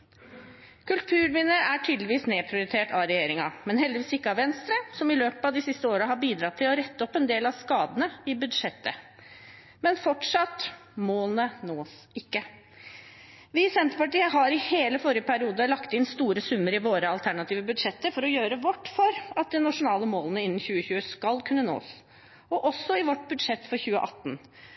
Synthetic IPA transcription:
kʉlt̪ʰʉːɾʋɪnəʔæʈʰyːd̪lɪʋiːsneːpʰɾɪʊɾɪt̪ʰeːʈʰɑɾɛjeːɾɪŋɑ̰mɛnhɛld̪ɪʋiːsɪkːəɑʋɛnst̪ɾəsɔmɪløːpəɑd̪ɪsɪst̪əoːɾəɦɑbiːd̪ɾɑt̪ʰːɪlɔɾɛt̪ːəɔpːɛnd̪eːlɑʋskɑːd̪ənəɪbʉd̪ʂɛt̪ːə̰ | mɛnfɔʈʂɑt̪ːmoːlnənoːs | ɪkːə | ʋɪsɛnt̪əɾpɑʈiːəɦɑɾɪheːləfɔɾɪjəpʰæɾɪuːd̪əlɑkt̪ɪnst̪uːɾəsʉmːəɾɪʋoːɾəɑlt̪ʰæɳɑt̪iːʋəbʉd̪ʂɛt̪ːəɾfɔɾɔjøːɾəʋɔʈːfɔɾɑt̪̚d̪ɛnɑʂʊnɑːləmoːlnəɪnːn̩çʉːəçʉːəskɑlkʰʉnːəno̰ːs | ɔʔɔsːɔɪʋɔʈbʉd̪ʂɛt̪ːfɔɾçʉːəʔɑt̪ːn

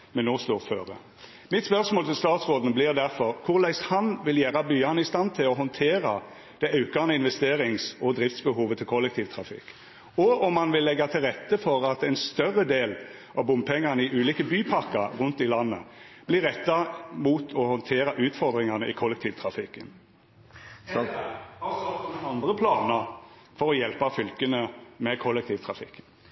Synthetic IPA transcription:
mɛnoːst̪oːføɾə̰ | mɪt̪spœʁsmoːlt̪ʰɪlst̪ɑːt̪sʁoːd̪nblɪʁd̪æɾfɔɾkʰʊʁlæɪshɑnʋɪljæːɾɑbyːɑnəɪst̪ɑnt̪ʰɪlɔɦɔnt̪ʰeːɾɑ | d̪̥ɛɪɑʉkɑnəɪnʋɛst̪eːɾɪŋsɔd̪ɾɪft̪sbəhuːʋət̪ʰɪlkʰɔlːɛk̚t̪ʰiːʋt̪ʰɾɑfɪ̰kː | ɔʔɔmhɑnʋɪlːɛɡːɑt̪ʰɪlʁɛt̪ːəfɔɾɑt̪ɛɪnst̪œɾəd̪eːlʔɑʋbʊmpʰɛŋːɑʁnəɪʔʉːliːkəbyːpʰɑkɑɾʁʉnt̪ɪlɑnːə̰b̥lɪʁɛt̪ːɑmuːt̪ʰɔhɔnt̪ʰeːɾɑʔʉːt̪fɔʁd̪ʁɪŋɑʁnəʔɪkʰɔlːɛkt̪ʰiːʋt̪ʰɾɑfɪkːən | sɔmɑnd̪ʁəpʰlɑːnəɾ | fɔɾɔjɛlpɑfʏlkənəmɛkʰɔlːɛk̚t̪ʰiːʋt̪ʰɾɑfɪ̰kːə

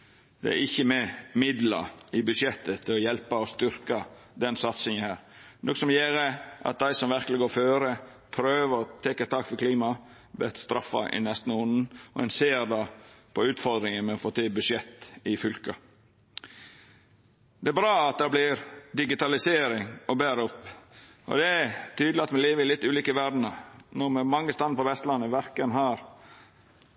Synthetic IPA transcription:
d̪̥ɛ̰æ̰ɾɪçːəmɛmɪd̪lɑ̰ɪbʉʃɛt̪ːət̪ʰɪlɔjɛlpɑɔst̪ʏɾkɑ | d̪ɛnsɑt̪sɪŋənhæːɾ | nɔkːəsɔmjeːɾəʔɑ̰t̪̚d̪æɪsɔmʋæɾklɪɡoːføːɾə | pʰɾøːʋəɾɔt̪ʰɛːkət̪ʰɑːkfɔɾkʰliːmɑ | bɛt̪st̪ɾɑfːɑ̰ʔɪ̰nɛst̪n̩ʊnn̩ʔɔ̰ɛ̰nseːɾd̪ɑpʰɔʉːt̪fɔɾd̪ɾɪŋənmɛɔfoːt̪ʰiːbʉʂɛt̪ːɪfʏlkɑ | d̪ɛæbɾɑːɑt̪̚d̪ɛblɪɾd̪ɪɡɪt̪ɑlɪseːɾɪŋɔbæːɾəɔpː | ʔɔ̰d̪ɛt̪ʰyːd̪lɪɑt̪mɛleːʋəɾɪlɪt̪ːʉːliːkəʋæd̪n̩ənuːmɛmɑŋːəst̪ɑnpɔʋɛst̪lɑnːəʋæɾkənɦæːɾ

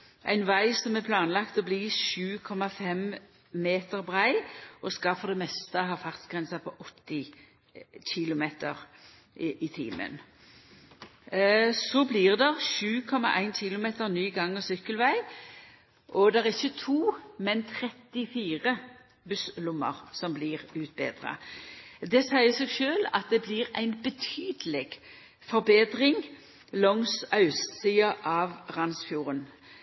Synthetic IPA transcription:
ʔæ̰ɪnʋæɪsɔmɛpʰlɑːnlɑkt̪ɔbliːʃʉːkʰɔmɑfɛm | meːt̪əʁbʁæɪʔɔskɑfɔʁd̪ɛmɛst̪əɦɑːfɑʁsɡ̥ʁɛnsɑpʰɔʔɔt̪ːɪ | ɕɪlʊmeːt̪ə̰ʁ | ɪt̪ʰḭːmə̰n | sɔbliːʁd̪ɛʁʃʉːkʰɔmɑ̰ʔæɪnɕɪlʊmeːt̪əʁnyːɡɑŋːəsʏkːəlʋæɪ | ʔɔd̪ɛʁɪçːət̪ʰuːmɛnt̪ʰɾɛt̪ɪfiːʁə | bʉslʊmːə̰ʁsɔmbliːʁʉːt̪̚bḛːd̪ʁɑ̰d̪ɛsæɪəseːɡʃøːlɑ̰t̪̚d̪ɛbliʁæ̰ɪnbət̪ʰyːd̪əlɛɡ | fɔʁbeːd̪ʁɪŋ | lɔŋsɑʉssiːɑʔɑʋʁɑnsfjuːʁən

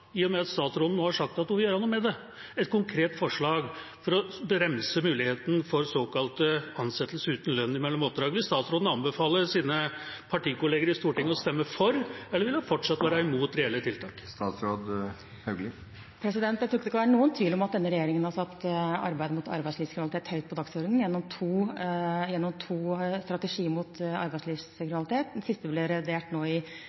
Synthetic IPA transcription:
ɪːɔmɛɑt̪st̪ɑːt̪sɾoːd̪n̩oːhɑɾʂɑk̚t̪ɑt̪nuːʋɪljøɾhɑnːʊmɛd̪ɛ | ɛt̪̚kʰʊŋkʰɾeːt̪fɔʂɭɑːɡ | fɔɾɔbəɾɛmsəmʉːlɪheːt̪nfɔɾsoːkɑlt̪əɑnsɛt̪ːəlsəʉːt̪n̩lœnːɪmɛlːɔmɔp̚d̪ɾɑːɡəʋɪlst̪ɑːt̪sɾoːd̪n̩ɑnbəfɑːləɾʂiːnəpʰɑʈiːkʊleːɡəɾɪst̪uːʈɪŋːɔst̪ɛmːəfɔɾɛlːəʋɪlɑfɔʈʂɑt̪ːʋæːɾəɛmuːt̪ɾɛɛlːət̪ʰɪlt̪ʰɑːkst̪ɑːt̪sɾoːd̪ | hœɡlɪ | pʰɾɛsɪd̪ɛnt̪jæɪt̪ɾuʊkːəd̪ɛskɑʋæːɾənuːənt̪ʰʋiːlɔmɑt̪̚d̪ɛnːəɾɛjeːɾɪŋənhɑsɑt̪ːɑ̰ɾbæɪd̪əmʊt̪ʰɑ̰ɾbæɪsliːskɾɪnɑlɪt̪ʰeːt̪hœʏt̪̚pʰɔd̪ɑksɔɾd̪n̩jɛnːɔmt̪ʰuːjɛnːɔmt̪ʰuːst̪ɾɑt̪əʂiːəmʊt̪ɑ̰ɾbæɪsʂliːʋskɾɪnɑlɪt̪ʰeːt̪̚d̪ɛnsɪst̪əblɪɾɛʋɪd̪eːʈnoːɪ

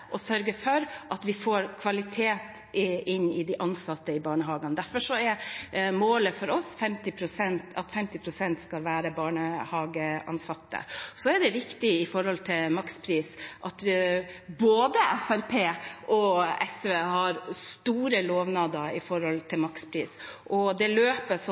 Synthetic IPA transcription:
ʔɔsœɾɡəfɔɾʔɑt̪ʋɪfoːɾkʰʋɑlɪt̪ʰeːt̪ | ɪnːɪd̪iʔɑnsɑt̪ːəɪbɑːɳəɦɑːɡɑnd̪æɾfɔʂɔɛɾmoːləfɔɾɔsfɛmt̪ɪpʰɾʊsɛnt̪ɑt̪fɛmt̪ɪpʰɾʊsɛnt̪skɑlʋæːɾəbɑːɳəhɑːɡəʔɑ̰nsɑt̪ːə̰sɔɛɖ̪ɛɾɪkt̪ɪɪfɔɾɔlt̪ʰɪlmɑkspʰɾiːsʔɑt̪ | boːd̪əʔæfæɾpʰeːʔɔɛsʋeːhɑɾst̪uːɾəloːʋnɑːd̪əɪfɔɾhɔlt̪ʰɪlmɑkspʰɾiːsʔɔd̪ɛløːpəʂɔ

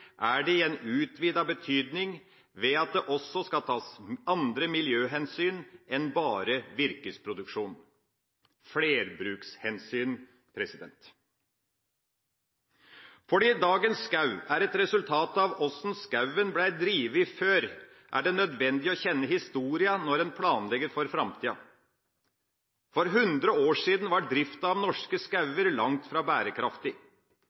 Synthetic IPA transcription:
ʔæɖɛɪjɛnːʉːt̪ʋiːd̪ɑbət̪ʰyːd̪nɪŋ | ʋɛɑt̪̚d̪ɛʔɔsɔskɑlt̪ʰɑːsɑnd̪ɾəmɪljøːɦɛnsyːnɛnbɑːɾəʋɪɾkəspʰɾʊd̪ʉkʂuːn | fleːɾbɾʉːkshɛnsyːn | pʰɾɛsɪd̪ɛnt̪ | fɔɖiːd̪ɑːɡənsːkɑʉæɾɛt̪ɾɛsʉlt̪ʰɑːt̪ɑʋɔsn̩skɑʉənblæɪd̪ɾiːʋəɪføːɾ | ʔæ̰ɖɛnœd̪ʋɛnd̪ɪɔçɛnːəhɪst̪uːɾɪənɔɾɛːnpʰlɑːnlɛɡəɾfɔɾfɾɑmt̪ʰiːɑ̰ | fɔɾɦʉnd̪ɾəoːʂiːd̪nʋɑʈ̚d̪ɾɪft̪ɑɑʋnɔʂkəskɑʉəɾlɑŋt̪fɾɑːbæːɾəkʰɾɑft̪ɪ

